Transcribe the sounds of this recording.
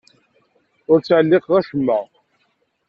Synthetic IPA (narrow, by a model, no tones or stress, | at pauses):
ʊɾt͡sːʕəlːɪqʁæʃəmːəʁ